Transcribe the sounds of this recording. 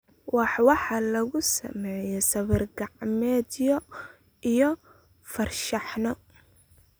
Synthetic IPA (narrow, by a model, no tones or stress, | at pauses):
wɑħwɑħɑlɐɣʊsɐ̰mɛːjɛsɐβɪrɡɑʕmɛːd̪jɔ | ʔijɔ | fɐrʃɑħnɔ